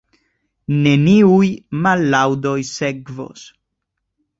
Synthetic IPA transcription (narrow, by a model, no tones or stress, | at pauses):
ne̞niujmalːawdo̞jse̞kvo̰s